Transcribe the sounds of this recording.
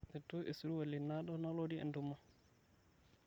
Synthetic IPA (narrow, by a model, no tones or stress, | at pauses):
ɗɛtːuʔesuɾuwalːinaɗɔnalodiɛ̰ndumːa